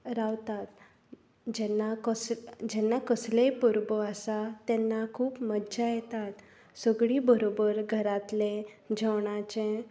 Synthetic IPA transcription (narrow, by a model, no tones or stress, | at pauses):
ɾaʋt̪at̪ | d͡ʑɛnːakəd͡ʑɛnːakəslepuɾbəasat̪ɛnːakʰuːpmədd͡ʑajɛt̪at̪ | səɡɭibəɾobəɾɡʱəɾat̪led͡ʑʱəʋɳat͡ɕẽ